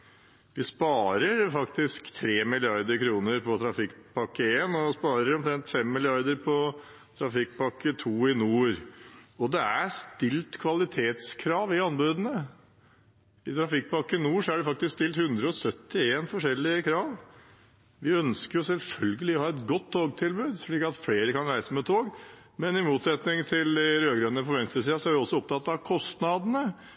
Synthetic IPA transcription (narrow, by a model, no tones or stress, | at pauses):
ʋɪspɑːɾəɾfɑkt̪ɪskt̪ʰɾeːmɪlɪɑɾd̪əɾkʰɾuːnəɾpʰɔt̪ʰɾɑfɪkːpʰɑkːəeːnɔspɑːɾəɾɔmt̪ʰɾɛnt̪fɛmːɪlɪɑɾd̪əɾpʰɔ | t̪ʰɾɑfɪk̚ːpɑkːət̪ʰuːɪnuːɾɔd̪ɛæɾst̪ɪlt̪kʰʋɑlɪt̪ʰeːt̪skʰɾɑːʋɪɑnbʉːd̪ənə | ɪt̪ʰɾɑfɪk̚ːpɑkːəɪnuːʂɔæɖɛfɑkt̪ɪskst̪ɪlt̪hʉnd̪ɾəɔsœt̪ːɪeːnfɔʂɛlːɪəkʰɾɑːʋ | ʋɪœnskəɾjʊsɛlfœlɡəlɪɔhɑːɛt̪ɡɔt̪ʰːoːɡt̪ʰɪlbʉːd̪ʂɭiːkɑt̪fleːɾəkɑnɾæɪsəmɛt̪ʰoːɡ | mɛnɪmuːt̪sɛt̪nɪŋt̪ʰɪlɪɾøːɡɾœnəpʰɔʋɛnst̪ɾəs̬iːɑsɔæɾʋɪɔsːɔɔp̚t̪ʰɑt̪ːɑʋkʰɔst̪nɑd̪ənə